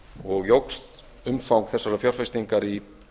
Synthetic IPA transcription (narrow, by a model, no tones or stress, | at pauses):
ɔɣjowkst̪ | ʏmfawŋkθɛsaɾafjawr̥fest̪iŋkaɾi